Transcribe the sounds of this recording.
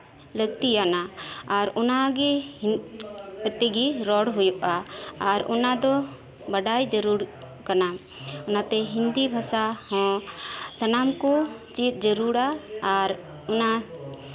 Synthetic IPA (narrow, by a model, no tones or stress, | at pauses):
ləɡt̪ijanaːɾɔnaɡɛ | t̪ɛɡiɾɔɽɦujuʔaːɾɔnad̪ɔ | bəɖajd͡ʒəɾuɾ | kana | ɔnat̪ɛɦind̪ibʱasahɔ̃ | sənamkɔt͡ʃit̪̚ˀd͡ʒəɾuɽaːɾ | ɔna